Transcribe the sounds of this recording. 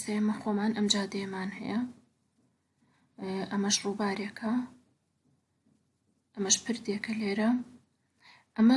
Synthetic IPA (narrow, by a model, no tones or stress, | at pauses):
st̪ɐjɐmɐxomaːnʔɐmd͡ʒaːd̪ɐjɐmaːnhɛ̰jɐ | ʔɐmɐʃruːbaːɾekʰɐ | ʔɐmɐʃpʰɨɾd̪ekɐleːɾɐ | ʔɐmɐ